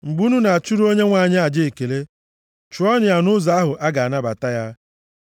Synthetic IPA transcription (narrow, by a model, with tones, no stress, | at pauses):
ŋ͡m̩˨ɡ͡bu˦nu˦na˨a˨t͡ʃu˦ɾu˦o˦ɲe˦ŋʷa˨ɲɪ˦a˨d͡ʒe˦e˨ke˨le˦ | t͡ʃu˨˦ɔ˦nɪ˨ja˨nʊ˦za˨˦a˦ɦʊ˨ʔa˦ɡa˨a˨na˦ba˨ta˦ja˦